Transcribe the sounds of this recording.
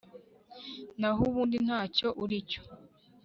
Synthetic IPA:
naɦuβuːndin̥haːco̞ʔuɾico̥

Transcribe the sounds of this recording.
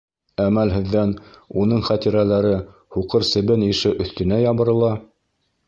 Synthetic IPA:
æmælɦɘ̆ðːænunɤɴχæt̪iɾælæɾɘ | huqɤɾsɘ̆βɘniʃɘʔɵ̆θt̪ɘ̆næjɑβɤ̆ɾɤ̆lˠɑ

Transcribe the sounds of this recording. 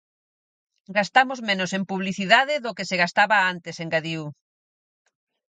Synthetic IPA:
ɡast̪amozmẽnosempuβliθiðaðɪðokeseɣast̪aβaant̪eseŋɡaðiu

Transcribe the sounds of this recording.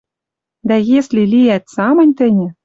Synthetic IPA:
d̪æjeslʲilijæt̪sɑmɤ̆nʲt̪ɘ̆nʲɘ̆

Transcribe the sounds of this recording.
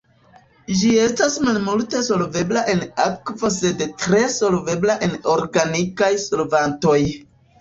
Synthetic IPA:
d͡ʒie̞stasmalmulte̞so̞lve̞blaʔe̞nakvo̞se̞dtɾe̞so̞lve̞blaʔe̞no̞ɾɡanikajsolvanto̞j

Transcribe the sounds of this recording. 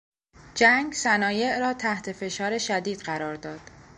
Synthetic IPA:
d͡ʒæŋɡsænɒːje̞ʔɾɒːt̪ʰæht̪ʰe̞fe̞ʃɒːɾe̞ʃæd̪iːd̪̥ɢæɾɒːɾd̪ɒːd̪̥

